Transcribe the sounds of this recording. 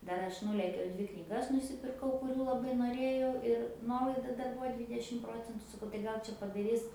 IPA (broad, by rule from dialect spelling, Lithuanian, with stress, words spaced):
ˈdɐr ˈɐʃ ˈnuːlʲeːkʲɛʊ ˈdʲʋʲɪ knʲiːˈɡɐs nʊsʲɪpʲɪrˈkɐʊ kʊˈrʲuː lˠɐˈbɐɪ noːˈrʲeːjɛʊ ɪr ˈnuɔlˠɐɪdɐ ˈdɐr ˈbuːʋɐ ˈdʲʋʲiːdʲɛʃʲɪm ˈproːt͡sʲɛntʊ sɐˈkɐʊ tɐɪ ˈɡɐlˠ t͡ʃʲɛ pɐdɐˈrʲɪs